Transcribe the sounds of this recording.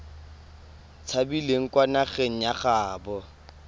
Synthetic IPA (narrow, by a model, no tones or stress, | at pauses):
t͡sʰabileŋ̩kwanaχeŋ̩jaχaːbɔ